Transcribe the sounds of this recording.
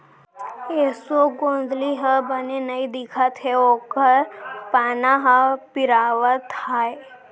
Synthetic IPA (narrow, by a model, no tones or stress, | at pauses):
eːsoɡõːnd̪liɦəbənenɐid̪ɪkʰət̪ɦɛoːkəɾpaːnaɦəpɪɾaːʋət̪haːe